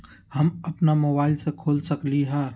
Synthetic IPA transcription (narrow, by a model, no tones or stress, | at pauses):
hɐmɐpnamobaːɪlsekʰoːlsɐkliɦɛ̃ː